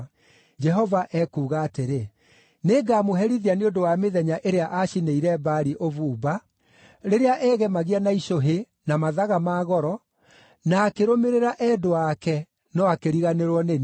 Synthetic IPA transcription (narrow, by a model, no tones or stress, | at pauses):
d͡ʒɛɦɔvaʔɛkuːɣaːteɾe | neɡaːmoɦɛɾiðianeondowameðɛɲaʔeɾeaʔaʃineiɾɛbaɾiʔovuːba | ɾeɾeaʔɛːɣɛmaɣianaiʃoɦe | namaðaɣamaːɣɔɾɔ | naːkeɾomeɾeɾaʔɛdoakɛ | nɔakeɾiɣaneɾwɔnen